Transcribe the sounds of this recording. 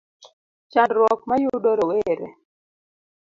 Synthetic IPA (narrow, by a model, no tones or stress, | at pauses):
t͡ʃandɾwɔk̚majudoɾoweɾḛ